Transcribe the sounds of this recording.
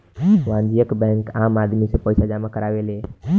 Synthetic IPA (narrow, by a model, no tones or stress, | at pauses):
ʋãːnd̪ijəkbɛ̃ːŋkaːmaːd̪misepɔːɪsad͡ʒaːmakəɾaːʋeːle